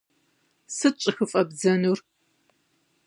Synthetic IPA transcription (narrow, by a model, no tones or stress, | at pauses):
sɨt͡ʃʼɪxɨfʼɐbzɐnuːr